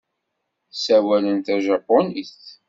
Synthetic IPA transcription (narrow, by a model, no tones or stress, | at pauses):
θsæwælənt̪æʒɑpːoniθ